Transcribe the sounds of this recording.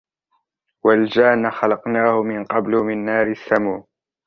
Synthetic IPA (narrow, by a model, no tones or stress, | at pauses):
wald͡ʒaːnːaxɑlɑqnaːhʊmɪnqɑblʊmɪnːaːɾɪsːamuːn